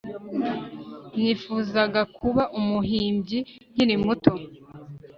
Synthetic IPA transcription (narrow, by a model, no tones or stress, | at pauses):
nifuːzaɡakʰuβaʔumuɦiːmbɟijiɾimuto